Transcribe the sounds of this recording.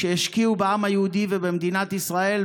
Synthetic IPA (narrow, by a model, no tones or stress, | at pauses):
eeʃkiubeamhajehud̪ivebemd̪inat̪isʁae̞l